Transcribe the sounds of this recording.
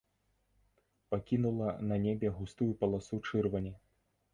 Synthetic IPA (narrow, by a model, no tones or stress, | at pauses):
pakʲinulˠɐnɐnʲebʲɛɣust̪ujupɐlˠasut͡ʂɨrvɐnʲɛ